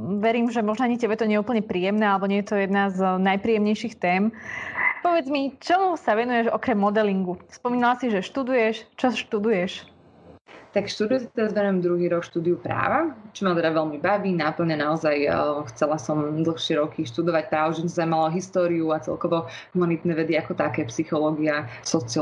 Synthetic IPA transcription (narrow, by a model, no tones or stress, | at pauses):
ʋɛɾiːmʒɛmɔʒnɔaɲicɛbɛt̪ɔɲɛuːpl̩ɲɛpɾiːjɛmnɛːalɛbɔɲɛjɛt̪ɔjɛd̪naznajpɾiːjɛmɲɛjʃixt̪ɛːm | pɔʋɛd͡zmit͡ʃɔmusaʋɛnujɛʒɔkɾɛmːɔd̪ɛliŋɡuspɔmiːnalasiʒɛʃt̪ud̪ujɛʃt͡ʃɔʃt̪ud̪ujɛʃ | t̪akʃt̪uːd̪ujusit̪ɛɾazʋɛnuʊjɛmd̪ɾuɦiːɾɔkʃt̪uːd̪iupɾa̰ːʋat͡ʃɔmat̪ɛd̪aʋɛlmibaʋiːnaːpl̩ɲɛnaɔzajxt͡sɛlasɔmd̪l̩ˠxʃɪɛɾɔkʰiʃt̪ud̪ɔʋac̚pɾaːʋɔʒɛnɔzaimalɔɦist̪ɔːɾiuat͡sɛ̰lkɔʋɔɦumanit̪nɛʋɛd̪iakɔt̪akɛːpsixɔlɔːɡiasɔt͡si